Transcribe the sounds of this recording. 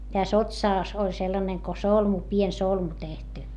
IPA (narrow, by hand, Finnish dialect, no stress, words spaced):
tæs otsɑˑs olʲ selːɑneŋ ko solmu pien solmu tehty